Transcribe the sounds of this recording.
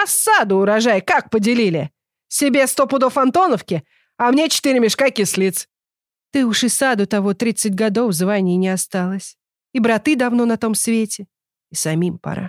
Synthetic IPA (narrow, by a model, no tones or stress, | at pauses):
ɐsad̪ʊːɾɐʐajkak̚pədʲɪlʲilʲɪ | sʲɪbʲe̞st̪opʊd̪o̞fɐnt̪o̞nəfkʲɪ | ɐmnʲet͡ɕɪ̥t̪ɨɾʲɪmʲɪʂkakʲɪslʲit̪s | t̪ɨʊʂɨsad̪ʊt̪ɐvo̞t̪ɾʲit̪sɨtʲɡɐd̪o̞fzvanʲɪjɪnʲɪɐst̪alˠəsʲ | ibɾɐt̪ɨd̪ɐvno̞nɐt̪o̞msvʲetʲɪ | isɐmʲimpɐ̰ɾa̰